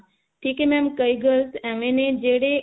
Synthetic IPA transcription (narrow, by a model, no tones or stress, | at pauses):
ʈʰikemɛ̃mkəjɡəlsɛ̃ʋẽned͡ʒeɽe